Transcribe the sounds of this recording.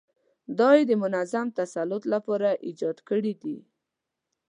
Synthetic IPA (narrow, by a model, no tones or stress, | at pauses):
d̪ɑjd̪əmʊnazamt̪asalʊt̪lapɑɾaʔid͡ʒɑd̪kəɽid̪i